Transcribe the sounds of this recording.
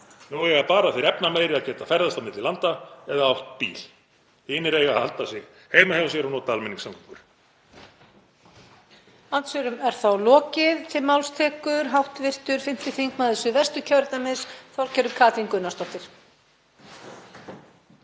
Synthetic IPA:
nuɛɣaɾpaːɾaθejɾɛpnameːjɾɪaðcɛːt̪afɛɾðast̪amɪt̪lɪlant̪aɛðaawht̪̚pḭːl̥ | hɪːnɪɾeːjɣaha̰lt̪asɪɣ | heːjmahɛvasjɛɾanɔːt̪aalmɛnːiŋksaŋkɔ̥ŋkʏɾ̥ | ant̪sɛɾʏmɛɾ̥θawlɔːcɪðt̪ʰɪlmawlst̪ʰɛːkʏɾɦawht̪vɪr̥t̪ʏɾ̥fɪn̥t̪ɪθiŋkmaðɛsʏvɛr̥st̪ʏcʰœwɾɪt̪amɪsθawɾ̥cʰɛɾʏmkʰaːt̪iŋkʏnːast̪ɔt̪ɪɾ̥

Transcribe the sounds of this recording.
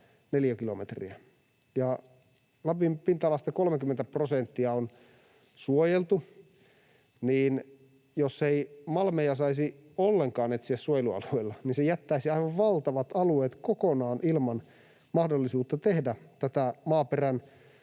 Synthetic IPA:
neljækilomḛt̪rḭæ | jɑ | lɑpimpint̪ɑlɑst̪ɑkolmekymːent̪æprosent̪ːiɑon | suojelt̪u | niːn | josːeimɑlmejɑsɑisiolːeŋkɑːnet̪siæssuojeluɑ̰lueilːɑninsejæt̪ːæisiɑiʋɑʋʋɑlt̪ɑʋɑt̪ɑlueːt̪kokonɑːnʔilmɑn | mɑhdolːisuːt̪ːɑt̪ehdæt̪æt̪æmɑːperæn

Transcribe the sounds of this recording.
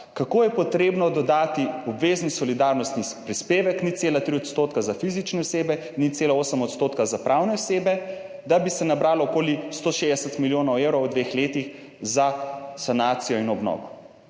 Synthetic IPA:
kakoːjɛpɔt̪ɾeːbnɔd̪ɔd̪aːt̪iɔbʋeːznisɔlid̪aːɾnɔst̪nipɾispeːʋɛknit̪t̪seːlat̪ɾiɔt̪st̪ot̪kazafizit͡ʃnɛɔseːbɛinːit̪t̪seːlaoːsəmɔt̪st̪oːt̪kazapɾʔawnɛɔseːbɛ | d̪abisɛnabɾaːlɔːkoːlist̪oːʃeɛsɛt̪miljoːnɐwewɾɔwd̪ʋexleːt̪ix | zasanaːt̪sijɔinɔbnɔ̰ːʋɔ

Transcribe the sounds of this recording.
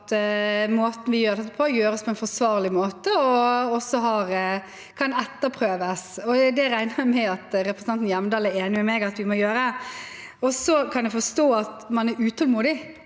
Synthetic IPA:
t̪moːt̪ən̩ʋɪjøːɾd̪ɛt̪ːəpʰɔjøːɾəspʰɔɛnfɔsʋɑːɾlɪmoːt̪əɔɔsːɔɦɑɾ | kʰɑnɛt̪ːəɾpʰɾøːʋəsɔd̪ɛɾæɪnəmɛɑt̪ɾɛpʰɾəsnɑnt̪n̩jɛməd̪ɑːlæeːnɪmɛmɛɡɑt̪ʋɪmɔjøːɾə | ɔsɔkʰɑnɛfɔst̪oːɑt̪mɑnæɾʉːt̪ʰɔlmuːd̪ɪ

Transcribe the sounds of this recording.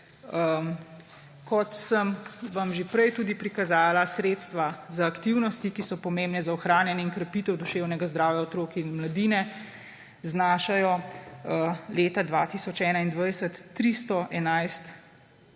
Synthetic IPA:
kɔt̪səmʋamʒepɾɛjt̪uːd̪ipɾikazaːlasɾeːt̪st̪ʋazaːkt̪iwnɔst̪ikisɔpɔmeːmbnɛzaɔxɾaːnjɛnjɛiŋkɾɛpiːt̪ɛwd̪uʃeːwnɛɡazd̪ɾaːwjaɔt̪ɾoːkiinmlad̪iːnɛ | znaːʃajɔ | leːt̪ad̪ʋat̪isɔt͡ʃɛːnaind̪ʋajsət̪ːɾist̪ɔʔɛnajst̪

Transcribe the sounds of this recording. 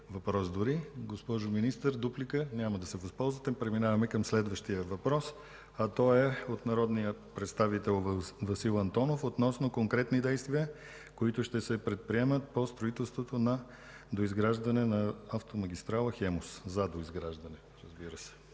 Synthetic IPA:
vɐpɾɔsd̪ʊɾiɡospɔʒominist̪əɾd̪uplikənʲaməd̪ɐsɛvɐspɔlˠzvət̪ɛpɾɛminavɐmɛkəmslɛd̪vəʃt̪ijəvɐpɾɔs | ɐt̪ɔɛot̪nɐɾɔd̪nijəpɾɛt̪st̪avit̪ɛlˠvɐsilˠɐnt̪ɔnofot̪nɔsnokoŋkɾɛt̪nid̪ɛjst̪viə | koit̪ʊʃt̪ɛsɛpɾɛt̪̚pɾiɛmət̪̚post̪ɾoit̪ɛlˠst̪vot̪onɐ | d̪oizɡɾaʒd̪ɐnɛnɐaft̪omɐɡ̟ʲist̪ɾalˠəxɛmoszɐd̪oizɡɾaʒd̪ɐnɛ | ɾəzbiɾəsɛ̥

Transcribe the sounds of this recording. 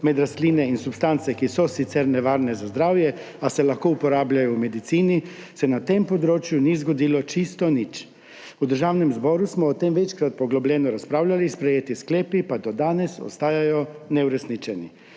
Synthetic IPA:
mɛd̪ɾast̪liːnɛinsupst̪ant̪sɛkisɔsit̪sɛɾnɛʋaɾnɛzazd̪ɾaːwjɛ | asɛlaxkoupɔɾaːbʎajɔumed̪it̪siːnisɛnat̪empod̪ɾoːt͡ʃjunizɡod̪iːlɔt͡ʃist̪ɔnit͡ʃ | ud̪əɾʒawnɛmzbɔɾusmɔːt̪emʋɛt͡ʃkɾat̪̚pɔɡlɔblɛnɔɾaspɾaːwlʲalispɾɛjeːt̪iskleːpipad̪ɔd̪aːnɛso̰st̪aːjajɔnɛuɾɛsnit͡ʃɛni

